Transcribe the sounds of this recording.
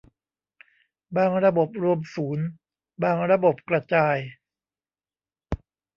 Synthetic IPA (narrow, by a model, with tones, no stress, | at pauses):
baː˧ŋɾa˧bo˨˩p̚ɾu˧əmsuː˩˦n | baː˧˩ŋɾa˧bo˨˩p̚kɾa˧t͡ɕaː˧j